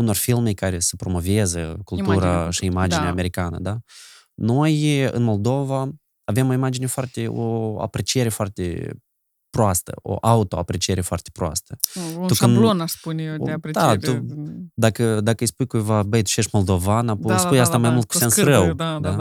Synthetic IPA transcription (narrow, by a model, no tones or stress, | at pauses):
uno̞rfilme̞jkaɾe̞səpɾo̞mo̞vezəkulˠt̪uɾaʃiimad͡ʒ̪ieaːme̞ɾikanə̰d̪a | no̞jɨ̰nmo̞ld̪o̞vaː | ve̞mo̞imad͡ʒine̞foart̪e̞o̰a̰pɾe̞t͡ʃije̞ɾe̞foart̪ḛ | pɾoast̪ə̰o̰ʔaut̪oapɾe̞t͡ʃije̞ɾe̞foa̰rt̪e̥pɾoa̰st̪əukɨnlonaʃspuneepd̪at̪ud̪akəd̪akəɨjspujkujvabəjt̪u̥ʃe̞ʃt̪mo̞lˠd̪o̞vanapuspujast̪amajmult̪̚ku̥sensrəwd̪ad̪a